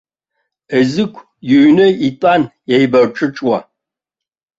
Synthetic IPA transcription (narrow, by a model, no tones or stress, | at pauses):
əzɨkʷʰ | junɨitʼanjajbɐrʈ͡ʂʼɨʈ͡ʂʼwɐ